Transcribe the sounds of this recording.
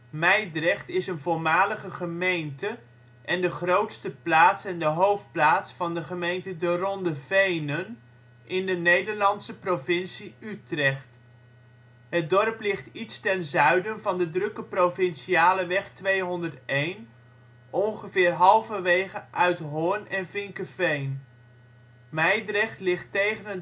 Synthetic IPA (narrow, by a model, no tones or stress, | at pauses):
mɛjdrɛχtɪsənvʊːɹmaːləχəχəmejntə | ʔɛndəχrowtstəplaːtsɛndəɦowft̚plaːtsfɑndəχəmejntədərɔndəvejnən | ʔɪndənejdəɹlɑntsəprovɪnsiytrɛχt | ɦədɔrplɪχtitstɛnzœɥdənvɑndədrɵkəprovɪnʃiaːləʋɛχtʋejɦɔndəɹtejn | ʔɔnχəvɪːrɹɦɑlˠvəʋejχəʔœɥtɦʊːɹnɛnvɪŋkəvejn | mɛjdrɛχtlɪχtejχənɦə